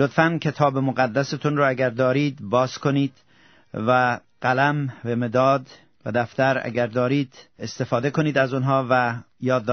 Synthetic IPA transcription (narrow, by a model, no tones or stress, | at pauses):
lot̪fænkʲʰe̞t̪ʰɒːbemoɣæd̪ːæset̪ʰunɾɔːæɡæɾd̪ɒːɾiːd̪bɒːzkʰo̞niːd̪̥ | væ | ɢ̥ælæmbemed̪ɒːd̪ | væ̰d̪æft̪æɾæ̰ɡæɾd̪ɒːɾiːd̪est̪e̞fɒːd̪ekʰo̞niːd̪æzunɦɒːvæ | jɒːd̪ː